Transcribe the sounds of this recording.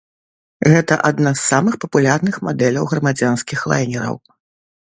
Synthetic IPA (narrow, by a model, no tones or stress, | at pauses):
ɣɛt̪ɐʔad̪nasːamɨxpɐpulʲarnɨxmad̪ɛlʲɐwɣɾɐmad͡zʲanskʲixlˠa̰jnʲɛɾɐ̰w